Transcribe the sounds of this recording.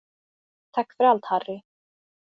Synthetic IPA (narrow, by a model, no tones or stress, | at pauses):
t̪ʰakːfɪɾalt̪harːɪ